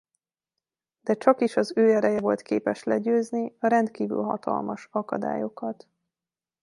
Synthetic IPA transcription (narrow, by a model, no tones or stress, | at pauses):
d̪̥ɛt͡ʃɒkiʃɒzøːɛɾɛjɛvo̞lt̪keːpɛʃlɛɟøːzniɒɾɛnt̪kiːvy̰lɦɒ̰t̪ɒ̰lmɒʃɒkɒd̪a̰ːjo̞kɒt̪